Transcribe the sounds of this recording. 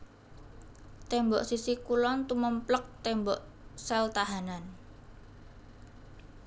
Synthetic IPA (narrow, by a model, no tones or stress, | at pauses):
t̪ɛmbɔʔsisikulɔnt̪uməmplək̚t̪ɛmbɔʔsɛlt̪aɦanan